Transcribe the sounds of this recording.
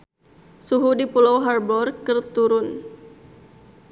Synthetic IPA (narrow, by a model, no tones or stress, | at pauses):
suɦudipulawɦarbɔrkərt̪uɾʊn